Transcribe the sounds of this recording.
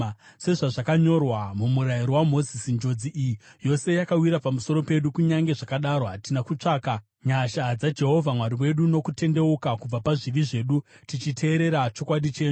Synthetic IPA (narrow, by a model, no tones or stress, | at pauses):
se̞ʐaʐakaɲo̞rwamumuɾajiɾowamo̞zisind͡ʒo̞d͡ziʔijijo̞se̞jakawiɾapamuso̞ɾo̞pe̞ɗukuɲaŋɡe̞ʐakaɗaɾo̞ɦatinakut͡ʂaːka | ɲaʃaːd͡zad͡ʒe̞ɦo̞vʱamwaɾiwe̞ɗuno̞kute̞nde̞ukakub͡vapaʐiʋiʐe̞ːɗutit͡ʃitʰe̞ːɾe̞ɾat͡ʃo̞kwaɗit͡ʃe̞ːɲu